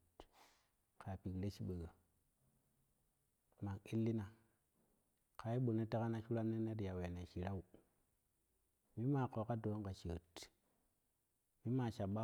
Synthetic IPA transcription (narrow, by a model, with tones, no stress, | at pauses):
ka˨pi˨kle˦t͡ʃi˦ɓə˨ɡa˨ | ma˨ki˦lːi˦na˨ | ka˨i˦ɓo˨ne˦te˦ka˦na˦ʃu˦ɾa˦mne˦ne˦ɾja˨we˨ne˨ʃi˨ɾa˦u˨ | mi˦ma˨ko˨˦ka˦do˨˦ŋka˨t͡ʃə˨t | mi˦ma˨ʃa˨ɓa˦